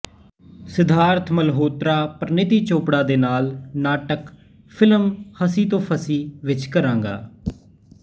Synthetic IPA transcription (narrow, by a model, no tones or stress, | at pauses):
sɪd̪ʱaːɾt̪ʰməlɦoːt̪ɾaːpəɾnɪt̪iːt͡ʃoːpɽaːd̪eːnaːlnaːʈək | pʰɪləmhəsiːt̪õːpʰəsiːʋɪt͡ʃkəɾãːŋɡa̰ː